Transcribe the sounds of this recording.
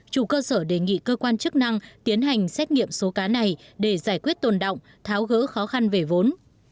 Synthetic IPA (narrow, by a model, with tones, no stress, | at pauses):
t͡ɕu˧˩kəː˧səː˧˩ɗe˧˩ŋḭ˧˨kəː˧kwaː˧nt͡ɕɨ˦˥k̚na˧ŋt̪i˨˦ənɦa˨˩jŋ̟sɛ˦˥t̚ŋḭ˧˨əmso˨˦kaː˨˦na˨˩jɗe˧˩zaː˧˩jkwi˦˥ət̚t̪o˨˩nɗo̰˧˨wŋ͡m | t̪ʰaː˨˦wɣə̰ː˧˥xɔ˨˦xa˧nve˨˩vo˨˦n